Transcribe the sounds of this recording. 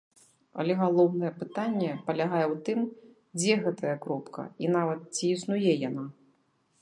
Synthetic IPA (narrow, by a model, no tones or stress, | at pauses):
ɐ̰lʲɛɣalˠɔwnɐjɛpɨt̪anʲːɛpɐlʲaɣajɛwt̪ɨm | d͡zʲɛɣɛt̪ɐjɐkɾɔpkʰɐ̰inavɐt̪̚t͡sʲiːsnujɛjana